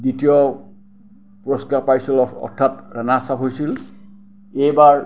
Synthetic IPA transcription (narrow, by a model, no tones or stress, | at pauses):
ditiɔ | puɹɔskiapajsilɔɔ̰ɹtʰatɹanasapɦojsil | ejbaɹ